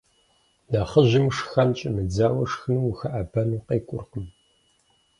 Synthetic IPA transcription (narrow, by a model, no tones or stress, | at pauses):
naχəʑɪmʂxɐnt͡ʃʼɪmɨd͡zaːwɐʂxɨnwuxɐʔabɐnuːqeːkʷʼʊ̰rqəm